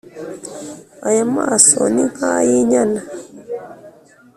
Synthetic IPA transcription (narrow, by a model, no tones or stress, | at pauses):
ajamasɔ̰nihajiɲana